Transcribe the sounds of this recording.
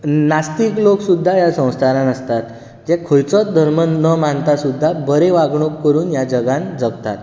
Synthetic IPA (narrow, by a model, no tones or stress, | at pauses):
nast̪ikloksud̪ʱːajasə̃w̃st̪ʰaɾãnəst̪at̪ | d͡ʑɛkʰəjt͡sɔt̪̚d̪ʱəɾmənəmant̪asud̪ʱːabəɾeʋaɡɳokkːəɾuːnjad͡ʑəɡãnd͡zəɡt̪at̪